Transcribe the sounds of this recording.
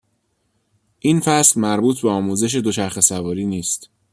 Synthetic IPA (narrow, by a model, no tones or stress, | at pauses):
ʔinfæslmæɾbuːt̪̚ʰbeɒːmuːze̞ʃ̬e̞d̪o̞t͡ʃʰæɾxe̞sævɒːɾiːniːst̪